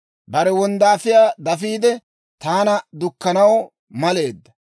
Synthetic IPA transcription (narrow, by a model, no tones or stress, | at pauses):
bɐɾɛwɔnd̪aːfɪjaːd̪ɐfiːd̪ɛ | t̪aːnɐd̪ʊkːɐnɐw | mɐle̞ːd̪ːɐ